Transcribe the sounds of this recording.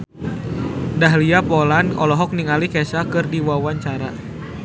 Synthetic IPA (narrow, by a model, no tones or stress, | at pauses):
daɦliapɔlanɔ̰lɔɦɔk̚niŋalikɛsakɨrdiwawaɲt͡ʃaɾa